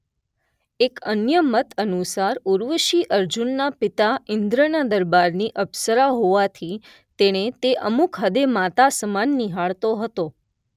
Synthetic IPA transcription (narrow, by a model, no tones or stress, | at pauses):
ekənjəmət̪ənusaɾuɾʋəʃiʔəɾd͡ʒunːapɪt̪aɪnd̪ɾənad̪əɾbaɾniʔəbsəɾaɦoʋat̪ʰi | t̪eɽ̃et̪eʔəmukɦəd̪emat̪asəmanːiɦaɭt̪oɦət̪o